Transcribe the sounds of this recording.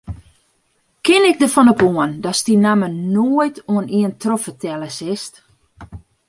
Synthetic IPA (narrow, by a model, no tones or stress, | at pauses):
kɪnɪk̚dəfɔnopoəndɔstinamənoəjtʰoəniəntrofətʰɛləsɪst